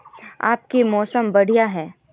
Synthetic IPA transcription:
a̰ːp̚kemɔːsəmbɐɽ̤ijaɦɛː

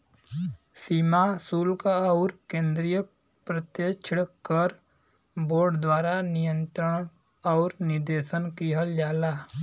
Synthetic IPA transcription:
siːmasuːlkaɔʊɾkẽːnd̪ɾijə | pɾət̪jət͡ʃʰɽkəɾ | boːɾɖd̪waːɾanɪjə̃nt̪ɾəɽ̃ | ɔːɾnɪɾd̪eːʃənkiɦəld͡ʒaːlaː

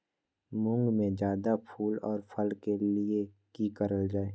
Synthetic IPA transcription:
mʊ̃ŋɡmẽd͡ʒjaːd̪apʰuːlɔːɾpʰəlkelie | kiːkəɾəld͡ʒaːeː

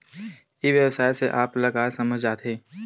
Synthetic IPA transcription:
iʋjəwsaːjseʔaːplɐɡaːsɐməd͡ʒd͡ʒaːt̪ɦẽː

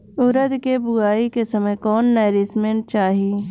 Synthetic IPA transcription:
ʊɾəd̪kebʊɡaːikesɐməjkɔːnːɛːɾɪsmẽɳʈ̚t͡ʃaːɦiiː

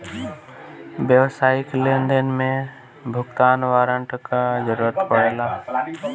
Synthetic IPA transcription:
ʋjəʋsaːiklend̪ənmẽ | bʱʊkt̪aːnʋaːɾəɳʈkazəɾuːɾət̪pəɽeːlaː

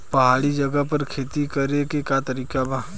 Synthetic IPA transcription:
pɐɦaːɽid͡ʒɐɡəpɐɾkʰeːt̪ikɐɾekekjat̪əɾiːkabʱaː

